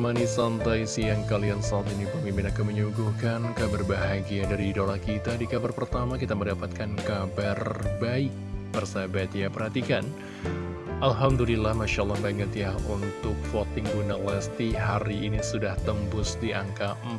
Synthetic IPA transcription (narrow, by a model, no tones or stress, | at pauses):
manisant̪ajsijaŋkaliansat̪inipəmimpɪnakaməɲuɡuhkankabarbaɦaɡiadaɾidolahkit̪adikabarpərt̪amakit̪aməndapat̪̚kankabarbaɪk̚bərsabat̪japərhat̪ikan | ʔalɦamdulilahmaʃaʔlˠːɑhmaŋɡat̪iahunt̪ʊk̚fot̪ɪŋɡunalast̪iɦaɾiːnisudaht̪əmpʊsdiʔaŋka